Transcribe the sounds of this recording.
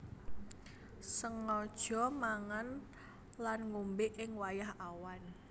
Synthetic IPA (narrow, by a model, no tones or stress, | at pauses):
səŋɔd̥ʒ̥ɔ̤maŋan | lanŋumbɪʔɪŋwajahawan